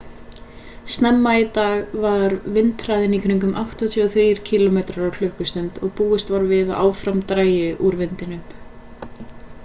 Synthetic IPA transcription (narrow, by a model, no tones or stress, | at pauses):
st̪nɛmːaɪt̪aːɣvaɾvɪnt̪ɾaːjðɪnikʰɾiŋkʏmʔawht̪ɔt̪ʰɔɔθɾiːɾ̥cʰiːlɔmeːt̪ɾaɾawl̥ʏhkʏst̪ʏnt̪ɔɣpuːʏst̪vaɾvɪðaa̰ːwfɾamt̪ɾaːjɪʔuɾvɪnt̪ɪnʏm